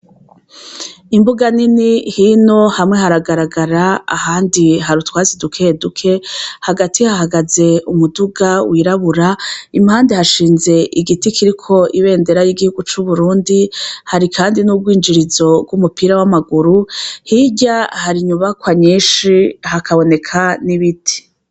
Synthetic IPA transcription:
imbuɡaninihino̞hamŋehaɾaɡaɾaɡaɾaa̰haːndiɦaɾutwaːzidukʰe̞dukʰe̞haɡatʰihaɦaɡaze̞umuduɡawʔiɾaβuɾaimhaːndehaʃiːnze̞ʔiɡitikʰiɾikʰo̞ʔiβe̞ːnde̞ɾajiːɡihuɡut͡ʃuβuɾuːndihaɾikʰaːndinub̚ɡwiːnd͡ʒiɾizo̞ɡɡwumupiɾawamaɡuɾuhiɟahaɾiɲuβakwaɲiːʃihakʰaβo̞ne̞kʰaniβitʰi̥

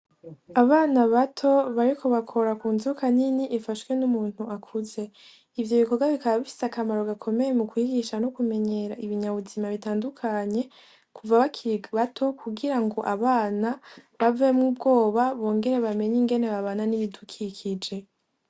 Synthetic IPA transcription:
aβaːnaβatʰo̞βaɾikʰo̞βakʰo̞ɾakuːnzuukaniniʔefaʃwe̞numuːn̥huʔakʰuze̞ | ivjo̞βiko̞ɡaβikaβaβifi̥sakamaɾo̞ɡakʰo̞me̞jemukwiːɡiʃanokume̞ɲe̞ːɾaiβiɲaβuzimaβitaːndukʰaɲe̞ | kuvaβakβatʰo̞kʰuɡiɾaŋɡo̞ʔaβaːnaβavemŋubɡo̞ːβaβoːŋɡe̞ɾe̞βame̞ɲiŋɡe̞ne̞βaβananiβidukʰikʰid͡ʒe̞

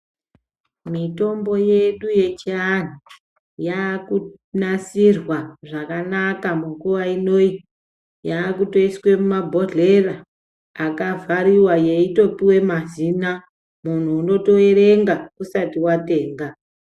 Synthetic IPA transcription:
mito̞mbo̞je̞ɗuje̞t͡ʃian̤u | jaku | nasirwaʐakanakamuɡuʋaino̞i | jaːkuto̞iswe̞mumabʱo̞ɮe̞raː | kavaɾiwaje̞ito̞piwe̞mazina | mun̤uːno̞to̞eɾe̞ŋɡakusatiwate̞ːŋɡa

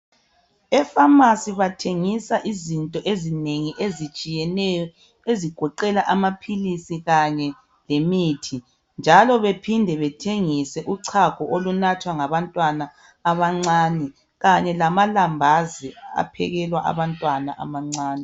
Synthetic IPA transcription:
ɛfamasiβatʰeŋisaʔizintʼɔʔezineŋiʔezit͡ʃʼijɛnɛjɔ | eziɡ̥ʱɔǃɛlaʔamapʰilisiɣaɲɛ | lemitʰi | nd͡ʒʱalɔβepʰindʱɛβɛtʰeŋisɛʔuǀʰakʰɔʔolunatʰwaŋaβantʼwanaː | βaŋ͡ǀaːnɛ | ɣaɲɛlamalambʱazia̰pʰɛ̰ɣɛlwaʔa̰βantʼwanaʔa̰maŋ͡ǀaːnɛ

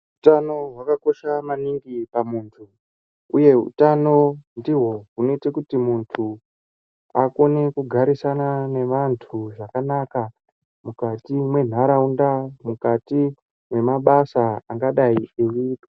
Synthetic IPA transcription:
ɦutano̞ɦwakako̞ʃamaniŋɡipamuːntʰu | uje̞ɦṵtano̞ndiɦo̞ɦuno̞ite̞kutimuntʰu | ako̞ne̞kuɡʱaɾisanane̞ʋantʰuʐakanaka | mukatimwe̞n̤aɾaundamukati | mwe̞maɓasaaŋɡaɗaiewiːpi̥

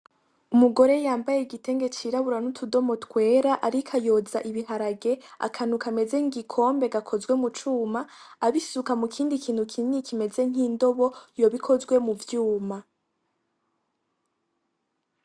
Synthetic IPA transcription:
umuɡo̞ɾe̞jaːmbajeiɡite̞ːŋɡe̞t͡ʃiɾaβuɾanutʰudo̞mo̞tkwe̞ːɾaʔaɾikʰajo̞zaʔiβihaɾaɡe̞a̰kʰan̥ukame̞ze̞ŋɡikʰo̞ːmbe̞ɡakʰo̞zwe̞mut͡ʃuːmaːβisukamukʰiːndikʰiːn̥hukʰinikʰime̞ze̞ŋ̥iːndo̞βo̞jo̞βikʰo̞zɡwe̞muvjuːma

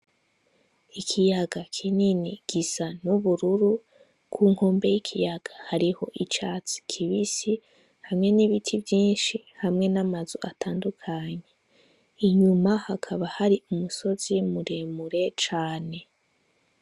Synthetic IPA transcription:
ikʰijaɡakʰininiɡ̥isanuβuɾuɾu | kʰuːŋ̥ho̞ːmbe̞jikʰijaɡ̥ahaɾiho̞ʔit͡ʃaːt͡si̥kʰiβisi | hamŋe̞niβitʰivjiːnʃi | hamŋe̞namazuʔatʰaːndukʰaɲe̞ | iɲumahakʰaβahaɾiʔumuso̞zimuɾemuɾe̞t͡ʃaːne̞

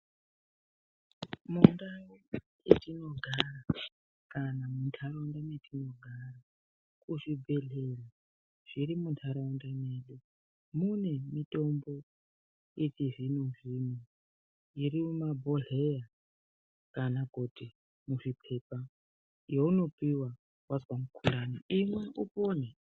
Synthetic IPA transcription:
mundame | etʼinoɡʱara | kʼanamuntʰaɾaundametʰʼino̞ɡʱara | kuʐibeɮela | ʐ̥iɾimuntʰaɾaundaneːlo | munemitʼo̞mbo̞ | itiʐinoʐinwe | iɾimumabʱoɮeja | kanakuti | muʐipʰe̞pa | jouno̞piwa | waswamukʰulaːniimwe̞ʔupoːne

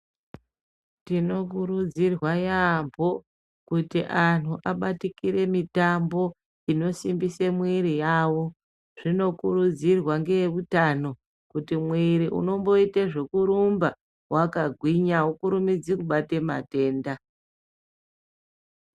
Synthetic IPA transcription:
tino̞kuɾud͡zirwajambo̞ | kutiʔan̤uʔaɓatikiɾe̞mitambo̞ | ino̞simbisemwiɾijawo̞ | ʐ̥ino̞kuɾud͡zirwaŋɡe̞jeʋutano̞ | kutimwiɾiʔṵno̞mbo̞iteʐe̞kuɾumba | wakaɡʱwiɲawokuɾumid͡zikuɓatema̰te̞ːnda

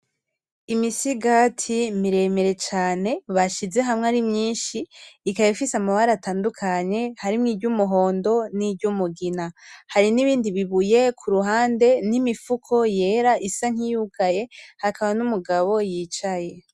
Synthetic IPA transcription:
imisiɡatʰimiɾe̞me̞ɾe̞t͡ʃaːne̞βaʃize̞ɦamŋeaɾimɲiːnʃiːkajifisamaβaɾataːndukʰaɲe̞haɾimŋiːbɟumuɦo̞ːndo̞nibɟumuɡinahaɾiniβiːndiβiβuje̞kʰuɾuɦaːnde̞nimifukʰo̞je̞ɾaʔisaŋ̥hijukaje̞hakaβanumuɡaβo̞jiːt͡ʃaje̞

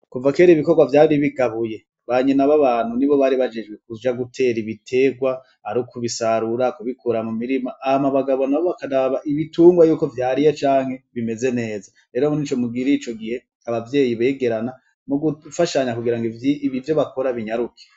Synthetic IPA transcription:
kuvake̞ɾiβiko̞ɡwavjaːɾiβiɡaβuje̞ | βaɲenaβaβaːn̥huniβo̞βaɾiβad͡ʒe̞d͡ʒɡwek̚ud͡ʒaɡutʰe̞ːɾiβitʰe̞ɡwa | aɾukuβisaɾuɾakuβikʰuɾamumiɾimaʔːhamaβaɡaβo̞naβoβakaɾaβaʔiβituːŋɡwajuːko̞vjaːɾijot͡ʃaːŋ̥he̞βime̞ze̞ne̞ːza | ɾe̞ːɾomunit͡ʃo̞muɡiɾit͡ʃo̞ɡihe̞ | aβavje̞ːjiβe̞ːɡe̞ɾana | muɡufaʃaɲakuɡiɾaŋɡiiiβivjo̞βako̞ɾaβiɲaɾukʰe̥

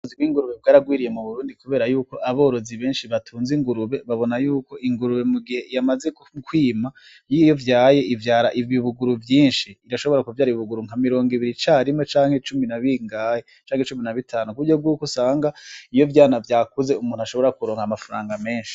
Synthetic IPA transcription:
ziɡwiːŋɡuɾuβeb̚ɡaːɾaɡwiːɾije̞muβuɾuːndikuβe̞ːɾajuːko̞ʔaβo̞ːɾo̞ziβe̞ːnʃiβatʰuːnziŋɡuɾuβe̞βaβo̞najuːko̞ʔiŋɡuɾuβe̞muɡihe̞jamaze̞ | kwiːma | jiːjo̞vjaːje̞ivjaːɾaʔiviβuɡuɾuvjiːnʃiːɾaʃo̞βo̞ɾakuvjaːɾiβuɡuɾuŋ̥amiɾo̞ːŋɡiβiɾit͡ʃaɾimŋet͡ʃaːŋhe̞t͡ʃuminaβiŋɡaːjet͡ʃaːŋhet͡ʃuminaβitʰaːnukuuɟobɡwuːkosaːŋɡaijo̞vjaːnavjaːkuze̞umuːn̥uaʃo̞βo̞ɾakuɾo̞ːŋhamafaɾaːŋɡame̞ːnʃi̥

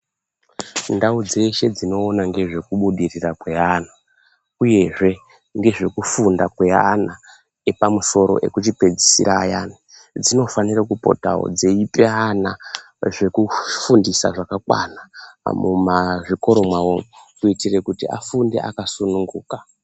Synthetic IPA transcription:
ndaud͡ze̞ʃe̞d͡zino̞ːnaŋɡe̞ʐe̞kuɓuɗirirakwe̞ana | uje̞ʐe̞ | ŋɡe̞ʐe̞kufundakwe̞a̰na | epamuso̞ɾo̞̰ʔe̞̰kut͡ʃipe̞d͡zisḭɾaːjani | d͡zino̞fanirakupo̞̰ta̰o̰d͡zeipeana | ʐe̞kufundisa̰ʐakakwa̰namumaʐiko̞ɾo̞mwawokuitire̞kutiʔa̰funde̞̰ʔa̰kasunuŋɡuːka

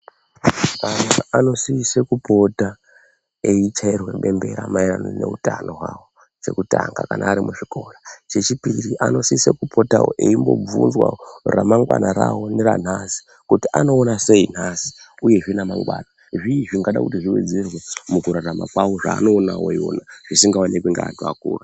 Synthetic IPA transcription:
kanaano̞siisekupo̞ta | eit͡ʃairwe̞ɓe̞mbe̞̰ɾamairanone̞̰utano̞ɦwaːwo̞ | t͡ʃe̞kutaŋɡakanʔaːɾimuʐiko̞rat͡ʃet͡ʃipiiriʔano̞siisekupʰo̞taoʔeimbo̞̰b͡vunzwa̰ramaŋɡwanaɾawo̞neɾan̤asi̥ | kutiano̞ːnase̞in̤asi̥uje̞ʐinamaŋɡwaːna | ʐiːʐiŋɡaɗa̰kutiʐiwḛd͡zerwemukuɾaɾama̰kwawo̞ʐa̰ːno̞ːnawojo̰naʐ̥isiŋɡawanekwiŋɡa̰ːtua̰kuːra

